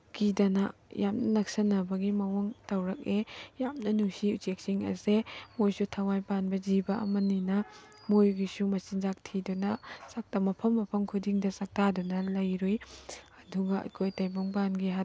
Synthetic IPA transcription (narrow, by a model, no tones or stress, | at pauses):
kidɐnajamnɐnɐksɐnɐbɐɡimɐwoŋtɐwɾɐk̚ejamnɐnusiut͡ʃek̚siŋɐ̰semojsutʰawajpanbɐzibɐʔɐ̰mɐninɐ | mojɡisumɐsinzak̚tʰidunɐsak̚tamɐpʰɐmːɐpʰɐmkʰudiŋdɐsak̚tadunɐlɐjɾujɐduɡɐɐ̰kʰojtɐjboŋpanɡiɦat